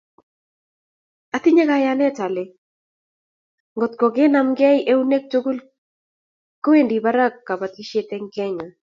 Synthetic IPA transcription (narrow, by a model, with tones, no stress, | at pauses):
a˨t̪i˦ɲe˦ka˨janɛ˦t͡ʃa˨le˨ | ŋɡɔ˨t̪̚kɔ˨ɡe˦namɡɛ˦jʔe˦u˦ne˦k̚t͡ʃo˦ɡu˦l | ko˦we˦ndi˨baɾa˦kːa˨ba˨t̪i˦ʃe˦t̪ɛ˦ŋkɛ˦ŋa˨